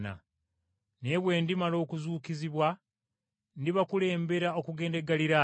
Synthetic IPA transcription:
na̰ | ne̞βwe̞ːndimalo̞ːkuzuːkiziβwa | ndiβakule̞ːmbe̞ɾao̞kuɡe̞ːndeɡaliɾa

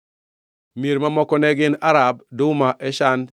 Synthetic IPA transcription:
meɾmamɔkɔnɛɡɪnaɾab̚dʊmaʔɛʃan

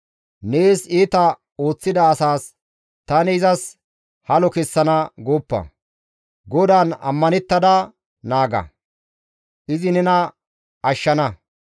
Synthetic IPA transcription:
ne̞ːsiːt̪ɐ | o̞ːt͡sːɪd̪ɐːsaːs | t̪ɐnɪɪzɐs | hɐlɔkɛsːɐnɐɡoːpːɐ̰ | ɡɔd̪aːnɐ̰mːɐnɛt̪ːɐd̪ɐ | naːɡɐ̰ | ʔɪzɪnɛnɐ | ɐʃːɐnɐ

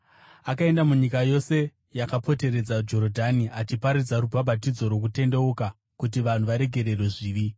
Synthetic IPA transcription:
akae̞ndamuɲikajo̞se̞ | jakapo̞te̞ɾe̞d͡zad͡ʒo̞ɾodʱaniat͡ʃipaɾid͡zaɾubʱabʱatid͡zo̞ɾwo̞k̬ute̞nde̞oka | kut̬iʋan̤uʋaɾe̞ɡʱe̞ɾe̞rweʐiːʋi

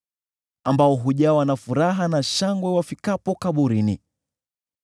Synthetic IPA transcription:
ambaɔɦuʄawanafuɾaɦanaʃaŋɡwɛwafikapɔkaɓuɾini

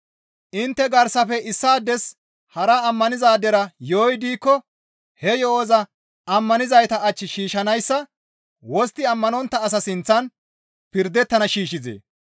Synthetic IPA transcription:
ʔɪnt̪ːɛɡɐɾsɐfɛʔɪsːaːd̪ɛs | hɐɾɐːmːɐnɪzaːd̪ɛɾɐjoːjd̪iːkːɔ | hɛjɔoːzɐ | ɐmːɐnɪzɐjt̪ɐːt͡ʃːɪʃiːʃɐnɐjsːɐ | wɔst̪ːɪɐmːɐnɔnt̪ːɐːs̬ɐsɪnt͡sːɐn | pɪɾd̪ɛt̪ːɐnɐʃiːʃɪzḛː

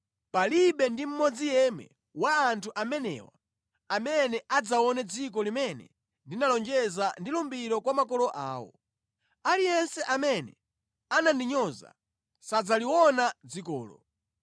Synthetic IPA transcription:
paliɓɛndim̩mɔd͡zijɛmɛ̰ | waːntʰuʔamɛnɛ̰wa̰ | amɛnɛʔad͡zawɔnɛd͡zikɔlimɛnɛ̰ | ndinalɔnd͡ʒɛzandilumbiɾɔkwamakɔlɔʔa̰ːwɔ̰ | alijɛnsɛʔamɛnɛ | anandiɲɔza̰ | sad͡zaliwɔnad͡zikɔ̰ːlɔ

